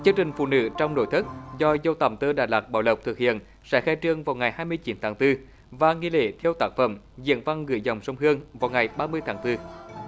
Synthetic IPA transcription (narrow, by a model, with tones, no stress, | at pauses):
t͡ɕɨ˧əŋt͡ɕï˨˩ŋ̟fṵ˧˨nɨ̰˧˥t͡ɕɔ˧wŋ͡mno̰˧˦jt̪ʰɨ˦˥t̚zɔ˧zə˧wt̪a̰˨˩mt̪əː˧ɗaː˧˨˩jlaː˨˩k̚ɓa̰ː˧˩wlə˨˩p̚t̪ʰɨ˨˩k̚hḭ˧˨ən | sɛ̰˧˥xaː˧jt͡ɕɨ˧əŋvaː˨˩wŋa˨˩jhaː˧jmɨ˧əjt͡ɕi˨˦nt̪ʰaː˨˦ŋt̪ɨ˧ | vaː˨˩ŋi˧lḛ˧˦t̪ʰi˧əwt̪aː˦˥k̚fə̰˧˩m | zḭ˧˨ənva˧ŋɣɨ̰˧˨jzə˨˩wŋ͡msə˧wŋ͡mɦɨ˧əŋvaː˨˩wŋa˨˩jɓaː˧mɨ˧əjt̪ʰaː˨˦ŋt̪ɨ˧